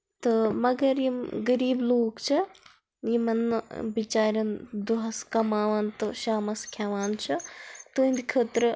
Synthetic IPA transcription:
t̪ɨmɐɡɐɾjimɡɐɾiːbloːkt͡ʃʰɐ | jimɐnbit͡ʃaːɾʲɐnd̪uɦɐskɐmaːʋɐnt̪ɨʃaːmɐskʰaːʋaːnt͡ʃʰɐt̪uĩnd̪ikʰəːt̪ɾ

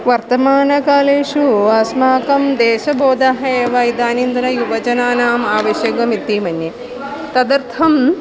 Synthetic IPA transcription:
ʋɐɾt̪ɐmaːnɐkaːleːʃuaːsmaːkɐmd̪eːʃɐboːd̪aːɦɐeːʋaːjid̪aːnind̪ɐnɐjuʋɐd͡ʒɐnaːnaːmaːʋɐʃjɐɡʋɐmit̪ːiːmɐnje | t̪ɐd̪ɐɾt̪ʰɐm

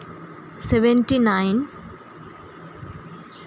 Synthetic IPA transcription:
seʋentinajn

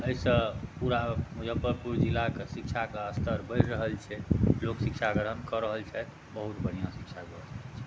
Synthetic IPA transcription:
əisə̃puɾamud͡ʒʱəpəɾpuɾd͡ʒilːakesikt͡ʃʰakeəst̪ʰəɾbəjɾɾəɦəlt͡ʃʰɛloksikt͡ʃʰaɡəɾ̤ənkəɾəɦəlt͡ʃʰɛ | bəɦut̪bəɽ̤ijãsik̚t͡ʃʰabebəst̪əkt͡ʃʰɛ

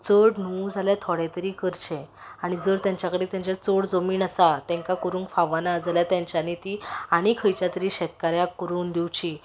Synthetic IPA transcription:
t͡səɽn̤ud͡zʱaljat̪ʰɔɽẽt̪əɾiːkəɾt͡ɕẽ | aɽ̃id͡zəɾt̪jãɲt͡ɕjakəɽet̪jãɲt͡ɕat͡soɽd͡zomiːnasat̪ɛ̃ŋkakoɾuːŋkfaʋanaəd͡zljat̪jãɲt͡ɕanit̪iːaɽ̃ikʰəjt͡ɕjat̪əɾiːɕɛt̪̚kaɾjakːəɾuːnd̪iwt͡ɕiː

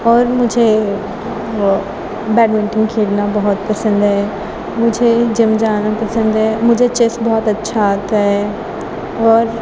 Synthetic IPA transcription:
ɔːɾmʊ̃ːd͡ʑʱe | bɛːɖmɪ̃ʈɪ̃ŋɡkʰiːɽnabɔɦʊt̪̚pɐsə̃nd̪ɦɛ | mʊ̃ːd͡ʑʱed͡ʑɐmd͡ʑaːnapɐsə̃nd̪ɦɛmʊ̃ːd͡ʑet͡ɕesbɔɦɔt̪ɐtːʃʰat̪ɦɛ | ɔːɾ

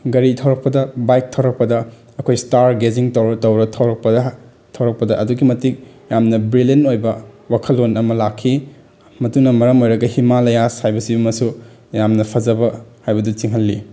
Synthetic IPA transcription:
ɡɐɾitʰɐwɾɐk̚pɐdɐbajk̚tʰɐwɾɐk̚pɐdɐː | kʰojstaɾɡeziŋtɐwɾɐtɐwɾɐtʰɐwɾɐk̚pɐdɐ | tʰɐwɾɐk̚pɐdɐɐduɡimɐtik̚ | jamnɐbɾilenojbɐwakʰɐlːonɐmɐlakʰːi | mɐtunɐmɐɾɐmojɾɐɡɐhimalɐjashajbɐsibɐmɐsu | jamnɐpʰɐzɐbɐhajbɐdut͡ʃiŋɦɐlːi

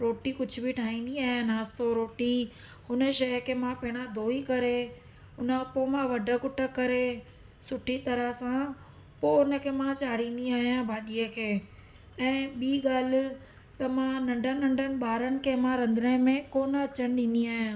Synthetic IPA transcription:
ɾoːʈikʊd͡ʑʱʊbʱiʈʰaːĩːnd̪iaːɦijãnaːst̪oɾoːʈi | hʊnə̆ʃɐjkʰemãpɐɦɪɽ̃ad̪ʱoːikɐɾe | ʊnəpoːmãʋɐɖʱə̆kʊʈə̆kɐɾe | sʊʈʰit̪ɐɾəsã | poːʊnə̆kʰemãt͡ɕaːɽ̤ĩːn̆d̪iaːɦijãbʱaːɗiəkʰeː | ɛ̃ːɓiːɠaːl̤ɪ̆ | t̪ɐmãnɐ̃ɳɖʱənɐ̃ɳɖʱənɪ̆ɓaːɾənɪ̆kʰemãɾɐ̃nd̪ɾə̃mẽkoːnɐt͡ɕəñɪɗĩːn̆d̪iaːɦijã

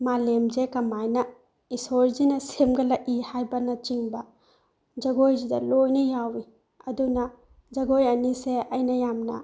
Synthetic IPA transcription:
malemzekɐmajnɐ | isoɾzinɐsemɡɐlɐʔihajbɐnɐt͡ʃiŋbɐ | d͡ʒɐɡojzidɐlojnɐjawi | ɐdunɐ | d͡ʒɐɡojɐniseɐjnɐjamnɐ̰

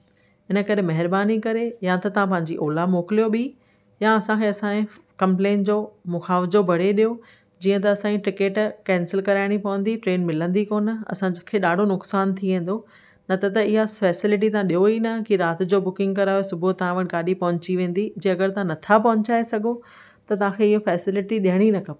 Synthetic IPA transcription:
ɦɪnə̆kɐɾemɐɦɪɾbaːnikɐɾejat̪ɐt̪ɐʋ̤ãp̬ɐ̃ɦɪ̃ɲ̆d͡ʑiʔoːlamoːkɪlijoɓɪ | jaɐsãkʰeːɐsãẽ | kɐ̃mplẽːnd͡ʑoːmʊxaːʋɪzobʱɐɽ̤eɗijo | d͡ʑiːə̃t̪̬ɐɐsãːiʈɪkeːʈkɛ̃ːnsɪlkɐɾaːɪɽ̃ipɐʋə̃n̆d̪iʈɾeːnmɪlə̃nd̪ikoːnɐ̰sãd͡ʑkʰeːɗaːɖʱonʊksaːnt̪ʰiʋẽːn̆d̪o | nɐt̪ɐt̪ɐɪɦafɛːsɪlɪʈ̬it̪ɐɦãɗiɦoinɐkiɾaːt̪ɪd͡ʑoːbʊkɪ̃ŋɡ̚kɐɾaːjosʊbʱot̪ɐɦãʋɐʈ̆ɡaːɗipɐɦʊ̃ɲt͡ɕiʋẽːn̆d̪id͡ʑeːɐɡəɾt̪ɐɦãnɐt̪ʰapɐɦʊɲt͡ɕaːesɐɡʱo | t̪ɐt̪ɐʋ̤ãkʰeɪɦofɛːsɪlɪʈiɗiɦəɽ̃inɐkʰɐpː

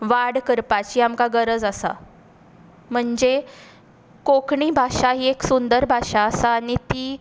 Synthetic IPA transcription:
ʋaɽkəɾpat͡ɕiːamkaɡəɾəd͡zasa̰ | m̤əɳd͡ze | kokɳiːbʱaʂaɦiːeksund̪əɾbʱaʂaəsaːñit̪iː

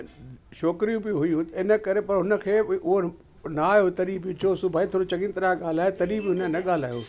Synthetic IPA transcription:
ʃoːkɾijũbɪũɦʊjũt̪ɐɪnə̆kɐɾepɐɾɦʊnə̆kʰeːʊɦo | naːjot̪ɐɾibjũt͡ʃʰosʊbʱaːit̪ʰoɾũt͡ɕɐɡɪ̃nt̪ɾaɠaːl̤aːet̪ɐɾibɪɦʊnnɐɠaːl̤aːjo̰ː

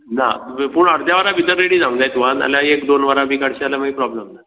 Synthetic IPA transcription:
na̰puːɳəɽd̪jaʋəɾabid̪əɾːeɽiːd͡zãŋd͡zajt̪uʋãna̰ljaekd̪onʋəɾabʱikaɽɕalamaipɾɔbləmna

